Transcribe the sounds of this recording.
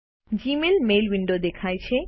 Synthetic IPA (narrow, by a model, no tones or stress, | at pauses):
d͡ʑimelmejlbiɳɖod̪ekʰajt͡ɕʰe